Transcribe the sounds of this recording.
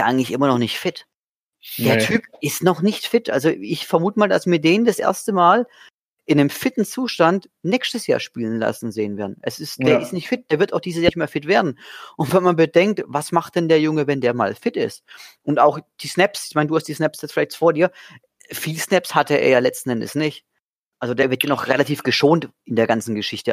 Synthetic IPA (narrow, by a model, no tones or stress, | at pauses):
ʔaɪŋ̩tlɪçʔɪmɐnɔχnɪçtfɪt | d̥eːɐtʰyːpɪstnɔχnɪçtfɪtʔa̰lzoɪçfɛɐmuːtəmaːlda̰sv̥iːɐdeːnndasʔḛːɐstəmaːl | ʔɪnamfɪtn̩t͡suːʃtant | nɛːkstəsja̰ːɐʃpiːlənla̰sn̩zeːənveɐdn̩ʔɛsɪstd̥eːɐɪstnɪçtfɪt̚d̥eːɐvɪɐtaʊxd̥iːzəsjaːçtmaːɐlfɪtv̥eːɐdn̩ʔʊntv̥ɛnmanbədɛŋk̚tvasmaχt̚d̥ɛndeːɐjʊŋəvɛndeːɐma̰ːlfɪtɪ̰stʔʊntaʊxd̥iːsnɛpsɪçmaɪnəduːhastd̥iːsnɛpsjɛt͡sfɪlaɪçtfoːɐdiːɐ | fiːlsnɛpshatəʔḛːɐjaːlɛt͡stn̩ʔɛndə̰snɪçt | ʔalzodeːɐvɪɐtjaːnɔχʁelatʰiːfɡ̥əʃoːntʔɪndeːɐɡant͡sn̩ɡəʃɪçtə